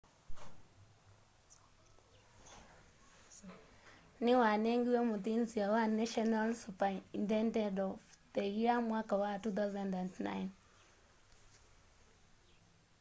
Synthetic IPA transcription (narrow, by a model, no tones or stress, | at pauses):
niwanɛŋɡiwɛmuðinziawanɛʃɔnalsupaindɛndɛdɔftɛɣiamwakawatuθazɛndantna̰jn